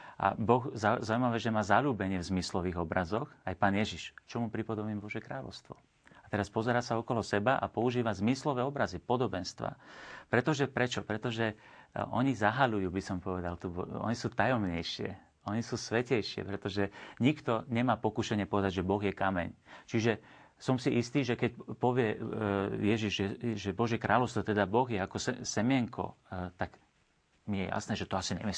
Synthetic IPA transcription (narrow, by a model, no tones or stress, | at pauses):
ʔa̰bɔɣzazauimaʋɛːʒɛmaːzaʎuːbɛɲɪɛvzmislɔʋiːɣɔbɾazɔxajpaːnjɛʒiʃt͡ʃɔmupɾipɔd̪ɔmiːmbɔʒjɛkɾaːlɔ̰ʊst̪ʋɔ̰ | at̪ɛɾaspɔzɛɾaːsaɔkɔlɔsɛbaʔa̰pɔuʒiːʋazmislɔʋɛːɔbɾazipɔd̪ɔbɛnst̪ʋa̰pɾɛt̪ɔʒɛpɾɛt͡ʃɔpɾɛt̪ɔʒɛɔ̰ɲizaɦaʎujuːbisɔmpɔʋɛd̪alt̪ubɔɔ̰ɲisuːt̪ajɔmɲɛjʃɪɛ̰ | ɔɲisuːsʋɛcɛjʃɪɛ̰pɾɛt̪ɔʒɛɲikt̪ɔɲɛmaːpɔkuːʃɛɲɪɛpɔʋɛd̪aɟʒɛbɔɣjɛkamɛ̰ɲt͡ʃiʒɛ | sɔmsiʔist̪iːʒɛkɛcpɔʋɪɛ | jɛʒiʒʒɛʒɛbɔʒjɛkɾʔaːlɔʊst̪ʋɔt̪ɛd̪abɔɣjɛakɔsɛsɛmɪɛŋkʰɔ̰t̪aɡ | mijɛja̰snɛːʒɛt̪ɔasiɲɛ̰mi